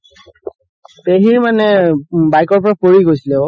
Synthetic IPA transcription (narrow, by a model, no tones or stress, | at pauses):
peɦiɹmanɛbajkɔɹpɔɹapoɹiɡojsilɛɔ